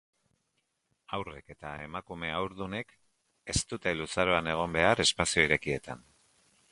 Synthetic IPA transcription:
awre̞ke̞t̪ae̞makume̞awɾðune̞k | e̞st̪ut̪e̞lusaɾo̞ane̞ɣ̞o̞mbe̞aɾe̞spasio̞iɾe̞kie̞t̪a̰n

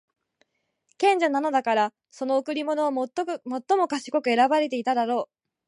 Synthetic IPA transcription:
kẽ̞ɲ̟d͡ʑanano̞d̪akaɾa | so̞no̞okɯ̟ɾʲimo̞no̞amo̞t̪ːo̞mo̞kaɕi̥ko̞kɯ̟e̞ɾabaɾe̞t̪e̞it̪ad̪aɾo̞ː

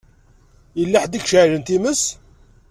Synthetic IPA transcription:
jəlːaħd̪ikʃʕlənt̪iməs

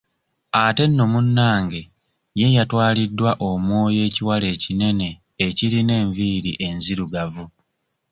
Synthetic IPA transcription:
ate̞nːo̞munːaːŋɡe̞ | jejatwaːlidːwaʔomwo̞ːje̞ːciwale̞ːcine̞ne̞ː | ciɾine̞ːɱviɾiʔe̞nziɾuɡavu

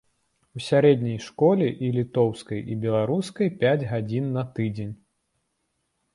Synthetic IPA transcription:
usʲaɾɛd̪ʲnʲɐjʂkɔlʲɛʔilʲit̪ɔwskɐjibʲɛlˠaɾuskɐjpʲad͡zʲɣad͡zʲinːɐt̪ɨd͡zʲenʲ

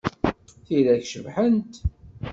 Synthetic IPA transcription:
θilæçʃəvħənt̪

